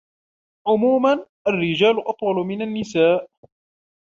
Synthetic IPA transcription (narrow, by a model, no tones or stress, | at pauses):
ʕʊmuːmanʔarːɪd͡ʒaːlʊʔɑt̪ˤwɑlʊmɪnanːɪsaːʔ